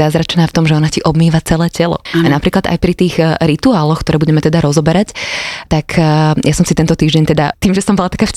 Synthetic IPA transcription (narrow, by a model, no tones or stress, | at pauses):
azɾat͡ʃnaːft̪ɔmʒɛɔnaciʔɔbmiːʋat͡sɛlɛːcɛlɔ̰anapɾiːklad̪a̰jpɾit̪iːɣɾit̪uaːlɔxkt̪ɔɾɛːbuɟɛmɛt̪ɛd̪aɾɔzɔbɛɾact̪akʰjasɔmsit̪ɛnt̪ɔt̪iːʒɟɛɲt̪ɛd̪at̪iːmʒɛsɔmbɔlat̪akaf